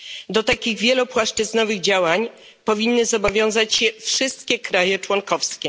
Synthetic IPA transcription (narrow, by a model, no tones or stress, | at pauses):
d̪ɔt̪akʲiɣvʲjɛlupwaʂt͡ʂɘznɔvɘɣd͡ʑawaɲ | pɔvʲinːɘzɔbɔvʲjɔ̃w̃zat͡ɕɕɛfʂɘst̪kʲɛkɾajɛt͡ʂwɔŋkɔfskʲɛ